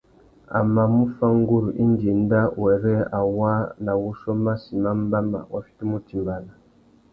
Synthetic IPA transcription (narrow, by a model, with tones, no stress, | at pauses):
a̰˨ma˨mu˦fa˦ŋ˦ɡu˦ɾu˨ʔi˦n˦di˨n˦da˦wɛ˨ɾɛ˦a˨wa˦na˨wu˦ʃɔ˦ma˦si˨ma˦m˦ba˦ma̰˨wa˨fi̥˦ti˦mu˦ti˨mba˨la˨